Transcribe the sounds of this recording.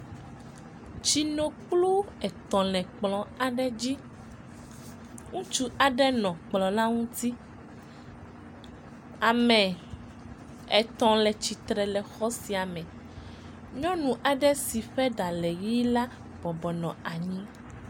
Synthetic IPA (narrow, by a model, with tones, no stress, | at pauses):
t͡ʃi˨no˨k͡plu˦ɛ˨t̪ɔ̃˨lɛ̃˨k͡plɔ̃˨a˨ɖɛ˦d͡ʑi˦ | ŋũ˦t͡ʃu˦a˨ɖɛ˦nɔ̃˨k͡plɔ˨na˦ŋũ˦t̪i˦ | a˨mɛ̃˨ | ɛ˨t̪ɔ̃˨lɛ˨t͡ɕi˨t̪ɾɛ˨lɛ˨xɔ˦si˨a˨mɛ̃˨ | ɲɔ̃˦nũ˨ʔa˨ɖɛ˦si˨ɸɛ˦ɖa˨lɛ˨ji˦la˦ | b̥ɔ˨bɔ˨nɔ̃˨a˨ɲĩ˦